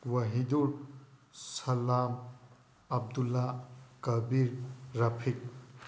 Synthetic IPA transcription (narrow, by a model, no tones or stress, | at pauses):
wɐɦiduɾ | sɐlam | ɐb̚dulːakɐbiɾːapʰik̚